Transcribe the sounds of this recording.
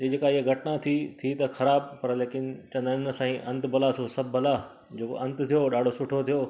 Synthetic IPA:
d͡ʑeːd͡ʑeːkaɪɦəɡʱɐʈnat̪ʰit̪ʰit̪ɐxɐɾaːbpɐɾleːkɪnt͡ɕɐ̃nd̪ənsãːĩʔɐ̃nt̪bʱɐlasosɐb̚ʱːɐla | d͡ʑeːko̰ʔɐ̃nt̪t̪ʰijoɗaːɖ̤ʱosʊʈʰot̪ʰijoː

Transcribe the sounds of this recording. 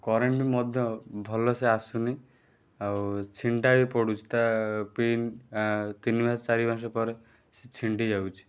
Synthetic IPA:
kɔɾeɳʈimɔd̪ʱjɔbʱɔlɔseasuni | awt͡ʃʰiɳʈabipɔɽut͡ʃʰi̥t̪apin | t̪inibʱast͡ʃaɾibʱãʃ̬ɔpɔɾe | si̥t͡ʃʰiɳʈid͡ʒawt͡ʃʰi̥

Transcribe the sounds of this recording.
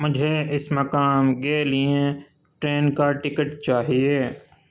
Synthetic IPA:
mʊd͡ʒʱeɪsmɐkaːmɡeːliẽ | ʈɾeːnkaʈɪkəʈt͡ʃaːɦieː

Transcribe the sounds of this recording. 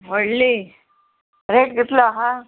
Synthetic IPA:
ɦoɽli | ɾeʈ̚ɡit̪laɦã

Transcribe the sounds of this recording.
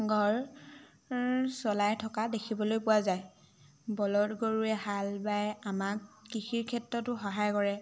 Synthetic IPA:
ɡʱɔɹ | sɔlajtʰɔkadekʰibɔlojpʊwazaj | bɔlɔtɡoɹuɛɦalbajamak̚kixiɹkʰɛtɹɔtʊxɔɦajkɔɹɛ

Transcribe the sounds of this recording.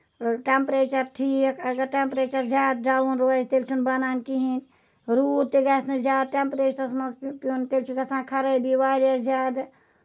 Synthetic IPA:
ʈempɾet͡ʃəɾʈʰiːkkɐɡɐɾʈempɾeːt͡ʃɐɾzʲjaːd̪̚ɖaːunɾuad͡ʒt̪elt͡ʃʰunbɐnankiɦin | ɾud̪̚t̪eɡaːsnezjaːd̪̚ʈempɾeːt͡ʃɐɾsmɐnspont̪elt͡ʃʰikɐsãːkʰɐɾəjbiʋaːɾijazjaːd̪

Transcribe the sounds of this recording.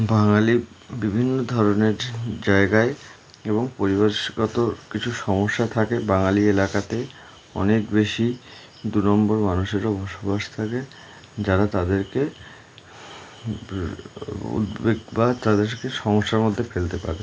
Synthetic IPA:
baŋali | bibʱinːod̪ʱɔɾoneɾd͡ʑaeɡae | eβoŋpoɾiβaɾʃɡɔt̪okit͡ɕʰuʃɔmoʃːat̪ʰakebaŋalielakat̪e | ɔ̰nekbeʃi | d̪unɔmboɾmanuʃeɾabʱɔʃobaʃt̪ʰake | d͡ʑaɾat̪ad̪eɾke | ṵd̪beɡbat̪ad̪eɾkeʃɔmoʃːaɾmod̪ʱːefelt̪epa̰ɾe

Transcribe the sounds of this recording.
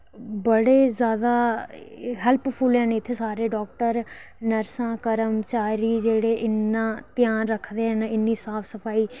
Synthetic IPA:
bəɽeːzjaːd̪aː | ɦɛlppʰulãːneːɪt̪ʰːeːsaːɾeːɖɔːk̚ʈəɾ | nəɾsãːkəɾəmt͡ʃaːɾiːd͡ʒeːɽeːʔɪnːãːt̪ɪjaːnɾəkʰd̪eːɦɛ̃ːnaɪnːiːsaːpʰsəpʰaːiː

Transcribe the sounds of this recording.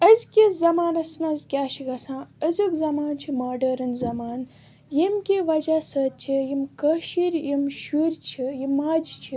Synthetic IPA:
əzʲkʲizɐmaːnɐsnɐzkʲaːʃiɡɐsãːəzʲukzɐmaːnt͡ʃʰimaːɖɐɾɐnzɐmaːn | jimkʲiʋɐd͡ʒaːsɐːt̪̚t͡ʃʰijimkəʃiɾjimʃuɾʲt͡ʃʰijimaːd͡ʒt͡ʃʰi

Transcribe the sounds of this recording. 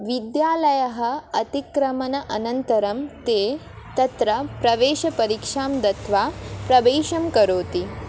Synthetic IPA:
ʋid̪jaːlɐjɐɦɐ̆ɐt̪ikɾɐmɐnɐʔɐnɐnt̪ɐɾɐmt̪eː | t̪ɐt̪ɾɐpɾɐʋeːʃɐpɐɾikʂaːmd̪ɐt̪ʋaːpɾɐʋeːʃɐmkɐɾoːt̪i

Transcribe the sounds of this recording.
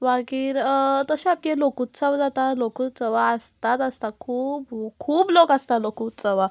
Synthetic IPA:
ʋaɡiːɾt̪əɕeap̚kelokuːt̪̚t͡səʋd͡zat̪alokuːt̪t͡səʋaəst̪at̪əst̪akʰuːbkʰuːblokəst̪alokuːt̪t͡səʋa

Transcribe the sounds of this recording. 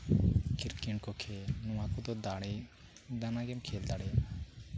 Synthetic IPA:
kʰiɾkiɳkɔkʰɛnũakud̪ɔd̪aɽɛ | d̪anaɡɛmkʰɛld̪aɽɛja

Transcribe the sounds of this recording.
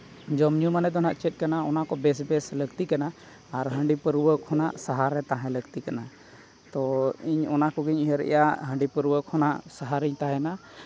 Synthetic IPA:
d͡ʒɔmɲumanɛd̪ɔnaʔt͡ʃɛt̪̚ˀkanaɔnakɔbɛs̬bɛsləɡt̪ikanaː | ɾɦəɳɖipəɾuwəkʰɔnaʔsaɦaɾɛt̪aɦɛ̃ləɡt̪ikana | t̪ɔiɲɔnakɔɡiɲiɦəɾɛ̰jaɦəɳɖipəɾuwəkʰɔnaʔsaɦaɾiɲt̪aɦɛna

